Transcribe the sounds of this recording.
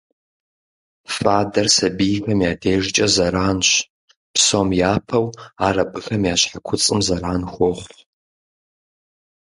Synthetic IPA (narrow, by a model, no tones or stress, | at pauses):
faːdɐrsɐbijxɐmjaːdʰeːʒɪt͡ʃʼɐzɐɾaːnɕ | psoːmjaːpʰɐwaːrɐbɨxɐmjaːɕħakʷʰʊt͡sʼɨmzɐɾaːnxʷɔχʷ